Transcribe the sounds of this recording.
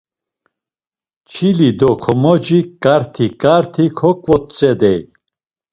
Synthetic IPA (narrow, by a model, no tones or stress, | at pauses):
t͡ʃʰilid̪ɔkʰɔmɔd͡ʒikʼaɾt̪ʰikʼaɾt̪ʰikʰɔkʼvɔt̪̚t͡sʼɛd̪ɛj